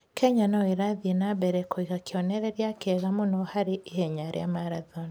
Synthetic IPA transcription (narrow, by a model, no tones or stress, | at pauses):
kʰɛɲanaweɾaðienabɛɾɛkoiɣakeɔnɛɾɛɾjakɛɣamonɔhaɾeihɛɲaɾḛa̰maɾaðɔni